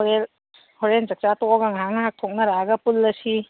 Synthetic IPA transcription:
ɾel | hoɾeld͡ʒɐk̚t͡ʃatɔɔɡaŋɦaŋnɐŋak̚tʰok̚nɐɾaɡɐpulːɐsi

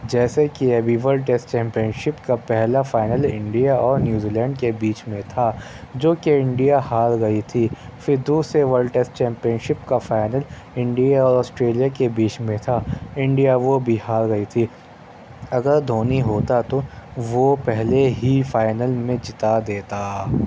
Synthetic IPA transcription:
d͡ʒɛːsekiɛbʱiʋəɾlɖʈeːsʈt͡ʃɛ̃ːmpijənʃɪpkapɛɦlafaːɪnəlɪ̃ɳɖijaɔːɾnjuːziːlɛ̃ːɳɖkebiːt͡ʃmẽt̪ʰa | d͡ʒoːkeɪ̃ɳɖijahaːɾɡɐit̪ʰifɪɾd̪uːseʋəɾlʈesʈt͡ʃɛ̃ːmpijənʃɪpkafaːɪnəl | ɪ̃ɳɖijaɔːɾɔːsʈɾeːlijakebiːt͡ʃmẽt̪ʰaɪ̃ɳɖijaʋobʱihaːɾɡɐit̪ʰi | ɐɡəɾd̪ʱoːniɦoːt̪at̪oʋopɛɦleɦifaːɪnəlmẽd͡ʒɪt̪ad̪eːt̪aː

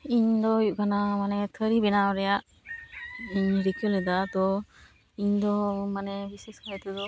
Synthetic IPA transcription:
iɲd̪ɔjuʔkanamanɛt̪ʰəɾibɛnaɾɛjaʔ | iɲɾikʰəlɛd̪ad̪ɔ | iɲd̪ɔmanɛbiseskaɛt̪ɔd̪ɔ

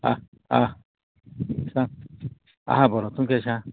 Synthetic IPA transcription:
a̰ | a̰ | ʃã | a̰hãboɾõt̪ũŋkeʃã

